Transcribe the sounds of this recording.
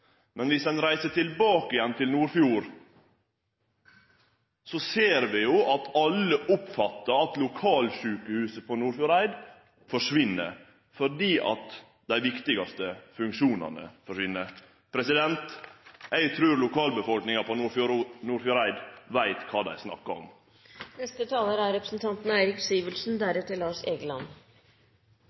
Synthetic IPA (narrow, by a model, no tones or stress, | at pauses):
mɛnʋɪsd̪ɛnɾæɪsət̪ʰɪlbɑːkəɪjɛnːt̪ʰɪlnuːɾfjuːɾ | sɔseːɾʋɪjʊʔɑt̪ɑlːəʔʊpfɑt̪ːəɾɑt̪lʊkʰɑːlʃʉːkəhʉːsəpʰɔnuːɾfjʊɾæɪd̪ | fɔʂʋɪnːə̰ɾ | fɔɖiːʔɑ̰t̪ | d̪æɪʋɪkt̪ɪɡɑst̪əfʉŋkʂuːnɑ̰nə̰fɔʂʋɪnːəɾ | pʰɾɛsɪd̪ɛnt̪jæɪɡt̪ʰɾʉːɾlʊkʰɑːlbəfɔlknɪŋɑpʰɔufnuːɾfʊɾæɪd̪ʋæɪt̪kʰɑːd̪æ̰ɪsnɑ̰kːɑɾɔ̰m | nɛst̪ət̪ʰɑːləɾæɾɛpɾəsnt̪ʰɑnt̪n̩æɪɾɪksiːʋəlʂn̩d̪æɾɛt̪ʰɪlɑːʂeːɡəlɑnː